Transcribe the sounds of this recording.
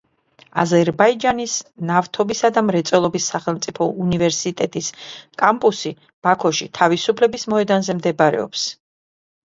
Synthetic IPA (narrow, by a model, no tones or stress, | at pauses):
a̰zɛɾbaid͡ʒanisnaft̪ʰɔbisad̪amɾɛt̪sʼwɛlˠɔbisːaχɛlˠmt̪sʼipʰɔunivɛɾsit̪ʼɛt̪ʼiskʼampʼusi | b̥akʰɔʃit̪ʰavisupʰlɛbismɔɛd̪anzɛmd̪ɛbaɾɛ̰ɔ̰ps